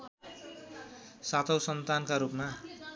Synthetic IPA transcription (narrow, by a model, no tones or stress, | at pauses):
sat̪ʰʌwsʌnt̪ankaɾupma